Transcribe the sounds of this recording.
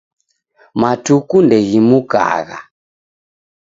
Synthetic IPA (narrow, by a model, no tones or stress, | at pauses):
matukundɛɣimuka̰ːɣa̰